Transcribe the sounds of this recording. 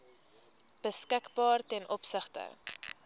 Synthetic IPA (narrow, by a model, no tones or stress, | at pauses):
b̥əskəkbɑːrtɛnʔɔpsəχtə̰